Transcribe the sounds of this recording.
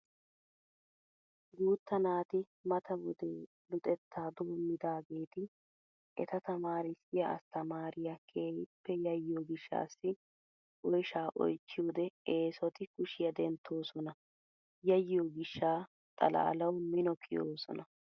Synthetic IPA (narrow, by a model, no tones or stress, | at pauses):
ɡuːt̪ːɐnaːt̪ɪ | mɐt̪ɐbʊd̪eː | lʊt̪ʼɛt̪ʰːaːd̪oːmːɪd̪aːɡe̞ːt̪ɪ | ʔɛ̰t̪ɐt̪ɐmaːɾɪsɪjɐʔɐ̰st̪ɐmaːɾɪjɐkʰeːjɪpːɛjɐjːoːɡɪʃːa̰ːsːɪ | ʔɔjʃaːʔɔ̰jt͡ʃːɪuːd̪ɛeːsɔt̪ɪkʊʃɪjɐd̪ɛnt̪ʰːo̞ːsɔnɐ | jɐjoːɡɪʃːaː | t̪ʼɐ̰la̰ːlɐwmɪnɔkʰɪjoːsɔ̰nɐ